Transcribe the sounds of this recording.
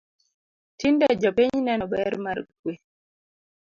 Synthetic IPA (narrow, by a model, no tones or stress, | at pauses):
tindɛd͡ʒɔpiɲnɛnɔbɛɾmaɾkwe